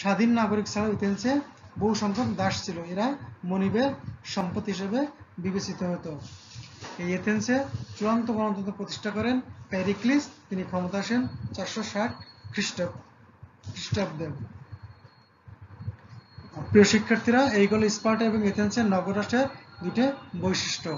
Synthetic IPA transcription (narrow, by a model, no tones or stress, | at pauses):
ʃad̪ʱinːaɡoɾiksʰaleet̪enseboɦuʃɔmpot̪d̪aʃt͡ɕʰiloeɾamonibeɾʃɔmpot̪ɦiʃ̬ebebibet͡ɕit̪oɦot̪o | ejet̪ienset͡ɕuɾant̪oɡɔnont̪ot̪opɾot̪i̥ʃʈʰakɔɾenpɛɾiklist̪inikʰɔmot̪aaʃent͡ɕaɾʃoʃaʈ̚ʰkɾiʈ | kɾiʃʈob̚d̪en | pɾioʃikʰːaɾt̪ʰiɾaejkɔloispaɾʈeboŋet̪ʰenseɾnɔɡoɾaʃeɾd̪uʈebojʃiʃʈo